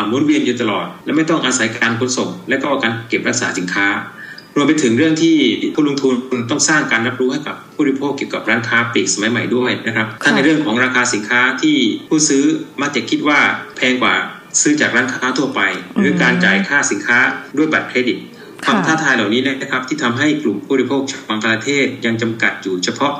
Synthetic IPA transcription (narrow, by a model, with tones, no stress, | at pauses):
mːuː˨˦nwi˧ənjuː˨˩t̪a˧lɔ̰ː˨˩t̪̚lɛ˦˥ma˥˩jt̪ɔ˥˩ŋʔaː˧sa˩˦jkaː˧nkʰo˨˧˦nso˨˩ŋlɛː˦˥kɔː˥˩ʔaː˧˩kaː˧nke˨˩p̚ɾa˦˥k̚saː˩˦˥si˩˦nkʰaː˦˥ | ɾu˧əmpa˧jt̪ʰɯ˩˦ŋɾɯ˥˩əŋt̪ʰiː˥˩pʰu˥˩lo˧ŋt̪ʰu˧n˧nt̪ɔ˥˩ŋsaː˥˩ŋkaː˧nɾa˦˥p̚ɾuː˦˥ha˥˩jka̰˨˩pʰːuː˥˩˦pʰoː˥˩kːi˨˩əwka˨˩p̚ɾaː˦˥nkʰaː˦˥piː˨˩k̚sa˧ma˨˦jma˨˩jdu˥˩jna˦˥kʰɾa˦˥p̚t̪ʰa˥˩nːa˧jɾɯ˥˩əŋkʰɔː˩˦ŋɾaː˧kʰaː˧si˨˩˦nkʰaː˦˥t̪ʰiː˥˩pʰuː˥˩t̪̚sɯː˦˥maː˧˥˩t͡ɕaː˨˩kʰːi˦˥t̪̚waː˥˩pʰɛː˧ŋkwaː˨˩ | sɯː˦˥t͡ɕaː˨˩k̚ɾaː˦˥nkʰaː˦˥t̪ʰu˧˩ɐpa˧jɾɯ˩˦əkaː˧nt͡ɕaː˨˩jkʰaː˥˩si˨˩˦nkʰaː˦˥du˥˩əjba˨˩t̪̚kʰɾeː˧˥di˨˩t̪̚ʰ | a˧˩mt̪ʰaː˥˩t̪ʰaː˧jlaː˨˩wniː˦˥na˧˦˥na˦˥kʰɾa˦˥p̚t̪ʰiː˥˩t̪ʰa˧mɦa˥˩jklu˨˩mpʰuː˥˩˨ɾi˥pʰoː˥˩k̚t͡ɕaː˨˩k̚baː˧ŋka˧laː˧t̪ʰeː˥˩t̪̚ja˧ŋt͡ɕa˧mka̰˨˩t̪̚juː˨˩t͡ɕʰa˧pʰɔ˦˥ʔ